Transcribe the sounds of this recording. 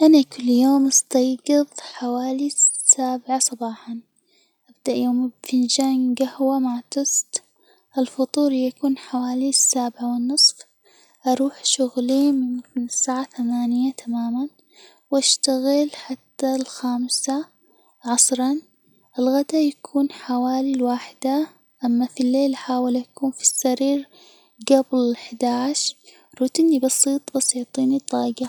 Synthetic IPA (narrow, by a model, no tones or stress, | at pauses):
ʔanakʊlːjoːmʔɑst̪ɑjɡɨðˤħawaːlisːaːbʕasˤɑbɑːħɑn | ʔabd̪aʔjoːmbfind͡ʒaːŋɡahwamaʕt̪ɨsˤt̪ | ʔɪlfʊt̪ˤuːɾjakuːnħawaːlisːaːbʕawɪnːɨsˤf | ʔɑɾˤuːħʃʊɣlimɪmɪnɪsːaːʕaθamaːnɪjat̪ʰamaːman | wʔaʃt̪aɣɪlħat̪ːalxaːmsa | ʕɑsˤɾˤɑn | ʔɪlɣad̪ajakʰuːnħawaːlilwaːħɪd̪a | ʔamːafilːeːlʔaħaːwɪlʔakuːnfi̥sːaɾiːɾ | ɡablɪɪħd̪aːʕʃ | ɾuːt̪inːibɑsˤiːt̪ˤbɑsˤiːt̪ˤiːnit̪ˤɑːɡa